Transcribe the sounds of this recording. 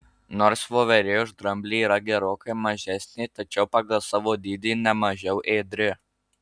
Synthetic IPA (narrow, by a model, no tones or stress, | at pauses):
noːɾsʋoːʋʲɛɾʲeːʊʒd̪ɾɐmʲbʲlʲiːiːɾɐɡʲɛɾoːkɐɪmɐʒʲæsʲnʲet̪ɐt͡ʃʲɛʊpɑɡɐlˠsɑːʋoːd̪ʲiːd̪ʲiːnʲɛmɐʒʲɛʊʔeːd̪ʲɾʲɪ